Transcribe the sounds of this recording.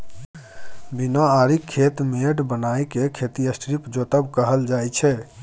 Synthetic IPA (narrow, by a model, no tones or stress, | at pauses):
binɔaɾikʰːet̪meɖbənajkekʰet̪iəsʈɾipd͡ʒot̪əbkəɦəld͡ʒajt͡ʃʰɛ